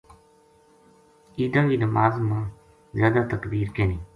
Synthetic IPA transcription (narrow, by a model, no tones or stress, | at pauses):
iːd̪ãːɡiːnəmaːzmãː | zjaːd̪aːt̪əkd̪iːɾkeːniː